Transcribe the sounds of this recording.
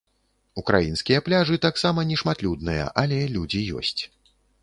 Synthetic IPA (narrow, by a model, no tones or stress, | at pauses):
ukɾa̰jinskʲijɐplʲaʐɨt̪aksamɐnʲɛʂmat̪lʲud̪̚nɨjɐ̰ʔalʲɛlʲud͡zʲijɔ̰sʲt͡sʲ